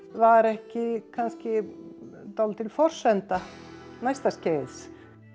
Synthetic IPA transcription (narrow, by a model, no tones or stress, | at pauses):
vaɾɛhcɪkʰanscɪ | t̪ɔwlt̪ɪlfɔr̥sɛnt̪a | najst̪ascejðs